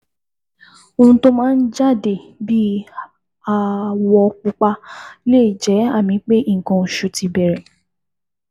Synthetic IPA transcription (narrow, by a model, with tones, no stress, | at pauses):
o˧hũ˧to˦mãː˦˧n̩˦d͡ʒa˦˨de˨bi˦ | a˨wɔ˧k͡pu˧k͡pa˧˦le˦˨i˨d͡ʒɛ˨˦a˦˨mĩ˨˧˦k͡pe˦i˦˨kɔ̃˧˨ʃu˨˧ti˧bɛ˨ɾɛ˨